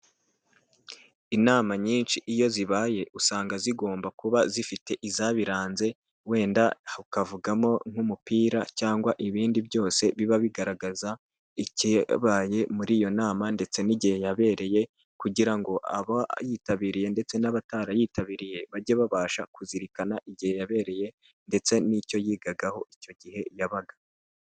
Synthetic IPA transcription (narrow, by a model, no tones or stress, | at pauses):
inaːmaɲiːnʃiʔijo̞ziβaːje̞ʔusaːŋɡaziɡo̞ːmbakuβazifite̞ʔizaβiɾaːnze̞ | we̞ːndaukavuɡamo̞ŋ̥humupiːɾacaːŋɡwaʔiβiːndibjo̞ːse̞βiβaβiɡaɾaɡaza | iciβaːje̞muɾijo̞naːmande̞t͡se̞niɟihe̞jaβe̞ːɾe̞je̞ | kuɟiɾaŋɡo̞ʔa̰βajiːtaβiɾije̞nde̞t͡se̞naβataːɾajiːtaβiɾije̞βaɾɟeβaβaːʃa̰kuziɾikanaʔiɟihe̞jaβe̞ːɾe̞je̞ | nde̞t͡se̞nico̞jiːɡaɡaho̞ʔico̞ɟihe̞jaβaɡḁ